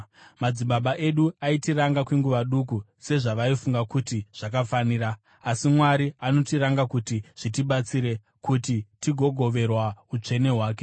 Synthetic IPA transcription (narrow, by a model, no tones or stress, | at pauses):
mad͡ziɓaɓaʔe̞ɗuaitiɾaŋɡakweŋɡuʋaɗuk̬u | se̞ʐaʋaifuŋɡakutiʐ̥ak̬afaniːɾaː | simwaɾiano̞tiɾaŋɡakutiʐ̥itiɓat͡siɾe̞ | kutitiɡʱo̞ɡʱo̞ʋe̞rwaut͡ʂe̞ne̞ɦwaːk̬e̞